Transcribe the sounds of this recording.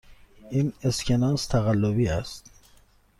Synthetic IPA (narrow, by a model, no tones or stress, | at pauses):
ineskʰʲenɑːst̪ʰæɣælːobiæst̪